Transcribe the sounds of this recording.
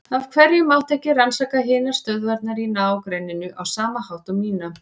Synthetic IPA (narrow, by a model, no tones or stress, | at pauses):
av̥kʰvɛɾjʏmaw̪̥t̪ʰɛhcːɪransaːkaɦɪːnaɾ̥st̪œðvaɾt̪̚naɾinawkɾejnɪnʏʔawsaːmahawht̪ʏmːiːna